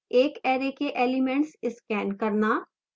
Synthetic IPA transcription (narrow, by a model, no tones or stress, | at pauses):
eːkɛːɾekeʔeːlɪmẽɳʈsɪskɛːnkɐɾnaː